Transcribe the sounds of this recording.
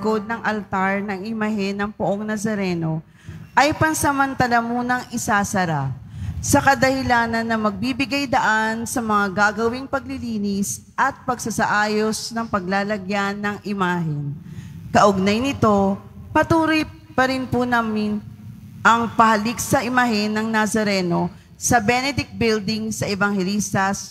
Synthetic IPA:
ɡo̞d̪̚nɐŋʔɐlt̪aɹnɐŋɪmɐɦɛnːɐŋpʊʔoŋnɐsɐɾɛno̞ | ʔɐjpɐŋsɐmɐnt̪ɐlamuːnɐŋʔɪsaːsɐɾasɐkɐd̪ɐhɪlaːnɐnːɐmɐɡ̚bibɪɡajd̪ɐʔansɐmɐŋaɡaːɡɐwɪŋpɐɡ̚lɪliːnɪs | ʔɐt̪̚pɐɡsɐsɐʔaːjo̞snɐŋpɐɡ̚laːlɐɡjanːɐŋʔɪmaːɦɛnkɐʔʊɡ̚najnɪt̪o̞pɐt̪uːɾoj | pɐɾɪnpʊnaːmɪn | ʔɐŋpɐhɐliksɐʔɪmaɦɛnːɐŋnasɐɾɛno̞ | sɐbɛnɛd̪ɪk̪̚bɪld̪ɪŋsɐʔɛvɐŋhɛliːst̪ɐs

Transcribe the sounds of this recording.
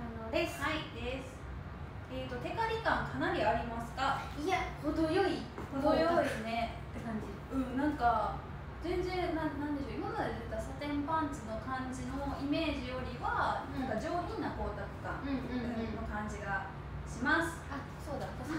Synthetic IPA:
anohaid̪e̞sɨ̥ | eːt̪ːo̞t̪e̞kaɾʲikãŋkʰanaɾʲiaɾʲimasɨ̥kaahod̪ojoikod̪ojod̪esɨne | kãɲd͡ʑi | ɯ̟̃nãŋka | d͡zẽ̞nd͡zẽ̞nãnãnd̪e̞ɕo̞imamad̪ed̪et̪ːasat̪ẽ̞mpãnt͡sɨno̞kãɲd͡ʑino̞ime̞ːʑijo̞ɾʲiβanãŋkad͡ʑo̞ːkʲĩnako̞ːt̪akɯ̟̥kã̰ŋano̞kãɲ̟d͡ʑiɡa | ɕimasɨ̥a | soːd̪a

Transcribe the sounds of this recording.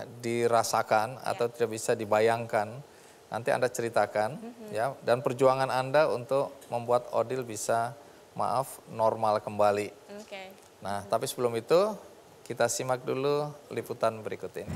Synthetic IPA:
diɾasakana̰t̪awt̪idaʔbisadibajaŋkanː | a̰nt̪ia̰ndat͡ʃəɾit̪akanjadanpərd͡ʒuaŋanandaunt̪ʊk̚məmbuat̪odɪlbisa | ma̰ʔafnɔrmalkəmbali | naht̪apisəbəlʊmit̪u | kit̪asimak̚dululiput̪anbəɾikut̪ɪn

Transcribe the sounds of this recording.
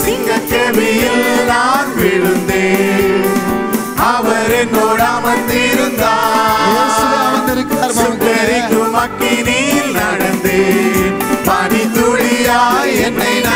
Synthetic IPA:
niːŋɡɐɭk̪eʋijɯlnaːnʋɪɻɯnd̪eː | ɐʋɐɾɛnːoːɽamɐnɖ̪ɪɾɯnd̪aː | sʊpːɐɾɪŋɯmɐkːiniːlnɐɽɐnd̪eːn | mɐnɪt̪ʊɻɪjaːɛn

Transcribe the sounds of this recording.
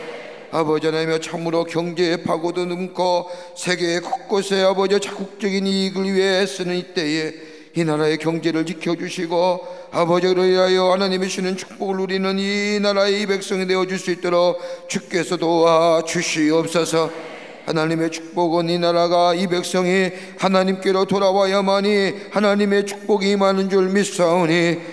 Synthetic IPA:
abʌd͡ʑianamjʌt͡ɕʰamɯɾokjʌŋd͡ʑe̞ːpʰaɡodonɯmkʰosʰe̞ɡe̞ːkʰʌk̚k͈osʰe̞abʌd͡ʑʌt͡ɕʰaɡuk̚t͡ɕ͈ʌɡiniːɡɯɭɥiɦeas͈ɯnɯnit͈e̞je̞ | inaɾae̞kjʌŋd͡ʑe̞ɾɯɭt͡ɕikʰjʌd͡ʑuɕʰiɡoabʌd͡ʑiɾoiɦajʌhanaɲimiɕʰinɯnt͡ɕʰu̥k̚p͈oɡɯɭuɾinɯninaɾae̞ibe̞k̚s͈ʌŋine̞ʌd͡ʑuɭs͈uit͈oɾokt͡ɕuk͈e̞sʰʌtowat͡ɕuɕʰiʌp̚s͈ʌsʰʌ | ha̰naɲime̞t͡ɕʰu̥k̚p͈oɡɯninaɾaɡaibe̞k̚s͈ʌŋi | hanaɲimk͈e̞ɾotoɾawajamaɲihanaɲime̞t͡ɕʰu̥k̚p͈oɡimanɯnd͡ʑuɭmis͈aoɲi

